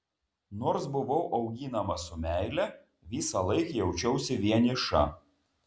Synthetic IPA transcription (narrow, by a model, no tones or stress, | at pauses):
noːɾsbʊʋɐʊʔɒʊɡʲiːnɐmɐsʊmʲæˑɪlʲɛ | ʋʲiːsɐlˠɐɪkjɛʊt͡ʃʲɛʊsʲɪʋʲiɛnʲɪʃɐ̰